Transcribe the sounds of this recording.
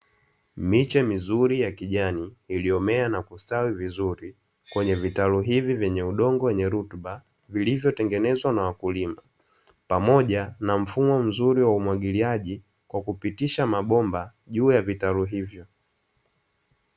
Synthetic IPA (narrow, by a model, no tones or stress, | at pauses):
mit͡ʃɛmizuɾijakiʄaniːliɔmɛanakustawivizuɾi | kwɛɲɛvitaluɦivivjɛɲɛuɗɔŋɡɔwɛɲɛɾutɓa | vilivjɔtɛŋɡɛnɛzwanawakulima | pamɔʄanam̩fumɔm̩zuɾiwaumwaɠiliaʄi | kwakupitiʃamaɓɔmba | ʄuːjavitaluɦivjɔ